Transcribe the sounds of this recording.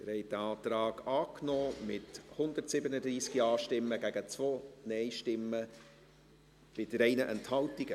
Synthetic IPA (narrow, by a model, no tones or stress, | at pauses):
ɪɾhɛɪdəɑːt̪ɾɑːɡ̥ɑːknɔːmɪthʊnd̪ətsɪbənədɾiːskiɑːʃtɪmːəɡ̥æɡ̥ət͡svoːnɛɪjʃtɪmːə | pɪdəɾɛɪnəʔɛnthɑltiɡ̥ə